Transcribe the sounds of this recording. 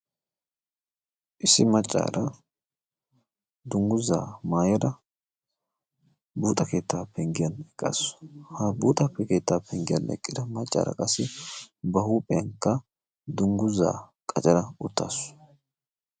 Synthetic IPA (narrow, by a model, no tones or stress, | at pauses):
ʔɪsːɪmɐt͡ʃʼːa̰ːɾɐ | d̪ʊŋɡʊza̰ːmaːjɔd̪ɐ | buːt̪ʼɐke̞ːt̪ːaːpːɛŋɡɪjɐnɛkʼːa̰sʊ̥hɐbuːt̪ʼɐpːɛke̞ːt̪ːaːpʰɛŋɡɪjɐ̰nɛ̰kʼːɪd̪ɐmɐt͡ʃʼːa̰ːɾɐ̰kʼɐsːɪbɐhuːpʼɛɐŋkːɐ | d̪ʊŋɡʊzːa̰ːkʼɐt͡ʃʼɐɾɐʊt̪ːa̰ːsʊ̥